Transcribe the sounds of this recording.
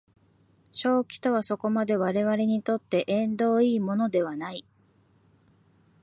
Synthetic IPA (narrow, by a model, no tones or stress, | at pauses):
ɕo̞ːkʲi̥t̪o̞βaso̞ko̞mad̪e̞βaɾe̞βaɾe̞ɲ̟it̪o̞t̪ːe̞ʔẽ̞nd̪o̞ːiːmo̞no̞d̪e̞β̞anai